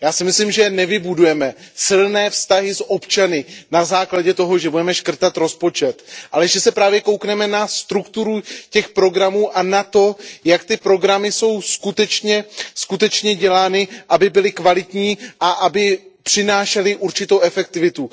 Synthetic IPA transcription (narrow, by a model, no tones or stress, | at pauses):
jaːsɪmɪslɪmʒɛnɛvɪbudujɛmɛsɪlnɛːfst̪aɦɪsʔo̞pt͡ʃanɪnazaːklaɟɛt̪o̞ɦo̞ʒɛbudɛmɛʃkr̩t̪at̪ɾo̞spo̞t͡ʃɛt̪ʔalɛʒɛsɛpɾaːvjɛko̞wknɛmɛnast̪ɾukt̪uɾucɛxpɾo̞ɡɾamuːʔanat̪o̞jakt̪ɪpɾo̞ɡɾamɪso̞wskut̪ɛt͡ʃɲɛskut̪ɛt͡ʃɲɛɟɛlaːnɪʔabɪbɪlɪkvalɪt̪ɲiːʔaʔabɪpr̝̥ɪnaːʃɛlɪʔuɾt͡ʃɪt̪o̞wʔɛfɛk̚t̪ɪvɪt̪u